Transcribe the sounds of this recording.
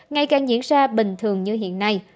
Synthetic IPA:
ŋa˧jkaː˨˩ŋzḭ˧˥nsaː˧ɓï˨˩ŋ̟t̪ʰɨ˨˩əŋɲɨ˧ɦḭ˧˨ənːa˧j

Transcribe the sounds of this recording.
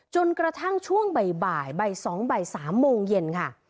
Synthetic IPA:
t͡ɕo˧nkɾa˧t̪ʰa˥˩ŋt͡ɕʰu˥˩əŋba˨˩jbaː˨˩jba˨˩jsɔː˩˦ŋba˨˩jsaː˩˦mːoː˧ŋje˧nkʰa˥˩

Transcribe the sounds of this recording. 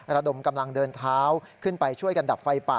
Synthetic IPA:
ɾa˧do˨˩mka˧mla˧ŋdɤː˧nt̪ʰaː˦˥wkʰɯ˥˩npa˧jt͡ɕʰu˥˩əjka˧nda˨˩p̚fa˧jpa̰˨˩

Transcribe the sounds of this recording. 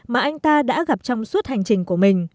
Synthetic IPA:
maː˨˩ʔa˧jŋ̟t̪aː˧ɗa̰ː˧˥ɣa˨˩p̚t͡ɕɔ˧wŋ͡msu˦˥t̚ha˨˩ŋ̟t͡ɕï˨˩ŋ̟ku˧˩əmï˨˩ŋ̟

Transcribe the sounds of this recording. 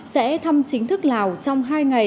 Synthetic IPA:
sɛ̰˧˥t̪ʰa˧mt͡ɕï˨˦ŋ̟t̪ʰɨ˦˥k̚laː˨˩wt͡ɕɔ˧wŋ͡mɦaː˧jŋa˨˩

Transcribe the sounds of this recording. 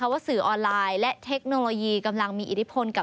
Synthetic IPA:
a˧˥˩waː˥˩sɯː˩ʔɔː˧nlaː˧jlɛ˦˥t̪ʰe˦˥k̚noː˧loː˧jiː˧ka˧mla˧ŋmiː˧ʔi˨˩t̪ʰi˦˥pʰo˧nka˨˩

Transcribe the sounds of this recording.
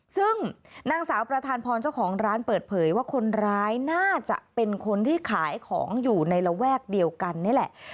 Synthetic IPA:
sɯ˥˩ŋnaː˧ŋsaː˩˦wpɾa˧t̪ʰaː˧npʰɔː˧nt͡ɕa˥˩wkʰɔː˩˦ŋɾaː˦˥npɤː˨˩t̪̚pʰɤː˩˦jwaː˥˩kʰo˧nɾɾaː˦˥jnaː˥˩t͡ɕa̰˨˩ʔpe˧nkʰo˧nt̪ʰiː˥˩kʰaː˩˦jkʰɔ̰ː˩˦ŋjuː˨˩na˧jɾa˧wɛː˥˩k̚di˧əwka˧nːiː˥˩˨lɛ˨˩ʔ

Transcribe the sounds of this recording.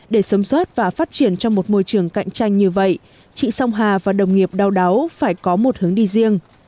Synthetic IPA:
ɗe˧˩səː˨˦mswəː˦˥t̚vaː˨˩faː˦˥t̚t͡ɕi˧˩ənt͡ɕɔ˧ŋ͡mmo˨˩t̚mo˧jt͡ɕɨ˧˩əŋka̰˧˨jŋ̟t͡ɕa˧jŋ̟ɲɨ˧və̰˧˨j | t͡ɕḭ˧˨sa˧wŋ͡mɦaː˨˩vaː˨˩ɗə˨˩wŋ͡mŋi˨˩əp̚ɗa˧wɗa˨˦wfaː˧˩jkɔ˨˦mo˨˩t̚hɨ˨˦əŋɗi˧zi˧əŋ

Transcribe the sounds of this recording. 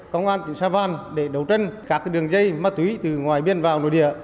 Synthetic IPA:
kə˧wŋ͡mʔaː˧nt̪ï˧˩ŋsaː˧vaː˧nɗe˧˩ɗə˨˦wt͡ɕə˧jŋ̟kaː˦˥k̚ɗɨ˨˩əŋzə˧jma˧t̪ːwi˦˧˦t̪ɨ˨˩ŋwaː˨˩jɓi˧ənvaː˨˩wno̰˧˨jɗḭ˧˨ə

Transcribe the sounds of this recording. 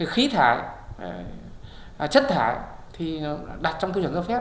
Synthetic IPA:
xi˨˦t̪ʰaː˧˩˨j | t͡ɕə˦˥t̚t̪ʰaː˧˩˨jt̪ʰi˨˩ɗa˨˩t̚t͡ɕɔ˧wŋ͡mkɨː˧wə˧˩nʔzə˧˩faː˦˥

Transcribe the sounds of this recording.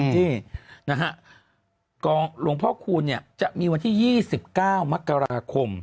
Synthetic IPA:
t͡ɕiː˥˩na˦˥kʰa˦˥ʔ | kɔː˧ŋlu˧˩əŋpʰɔː˥˩kʰuː˧nːi˥˩ɐt͡ɕa˨˩ʔmiː˧wa˧nt̪ʰiː˥˩jiː˥˩si˨˩p̚kaː˥˩wma˦˥kːa˧ɾaː˧kʰo˧m

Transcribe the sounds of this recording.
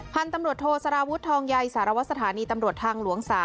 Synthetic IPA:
pʰa˧nt̪a˧mɾu˨˩ət̪ʰoː˧sa˧ɾaː˧wu˦˥t̪ʰːɔː˧ŋja˧jsaː˩˦ɾa˧wa˦˥sa˧t̪ʰaː˩˦niː˧t̪a˧mɾu˨˩ət̪̚ʰaː˧ŋlu˩˦əŋsaː˨˦

